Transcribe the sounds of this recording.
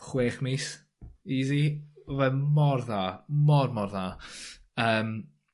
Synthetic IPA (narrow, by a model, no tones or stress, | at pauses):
χweːχmis | iːziɔvɛmɔrðamɔrmɔrða | əːm